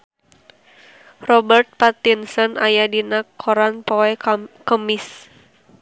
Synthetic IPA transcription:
rɔbərt̪̚pat̪insɔnʔajadinakʰːɔɾanpɔɛkkəmis

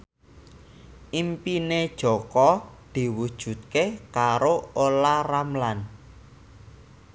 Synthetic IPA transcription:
ʔimpined̥ʒ̥ɔ̤kɔd̪̥i̤wud̥ʒ̥ṳt̪̚kekaɾoolaramlan

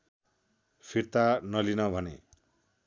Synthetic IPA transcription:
pʰirt̪anʌlinʌbʱʌnḛ

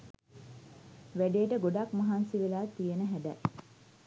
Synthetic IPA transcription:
ʋæɖeːʈəɡoɖakmɐɦansiʋelaːt̪ːijenəɦædæ

